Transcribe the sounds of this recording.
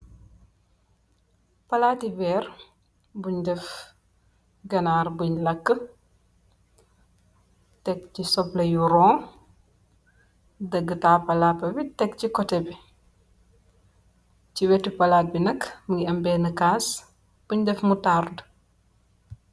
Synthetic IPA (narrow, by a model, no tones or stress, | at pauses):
pɐlaːtibɛːr | buɲdɛf | ɡɐnaːrbuɲlɐkːə | tɛkcisɔplɐjuɾɔ̃ː | dɐɡːətaːpɐlapːɐbitɛkcikɔtɛbi | ciwɛtipɐlaːt̚binɐkmuɡiɐmbɛnəkaːs | b̥uɲdɛfmutaɾd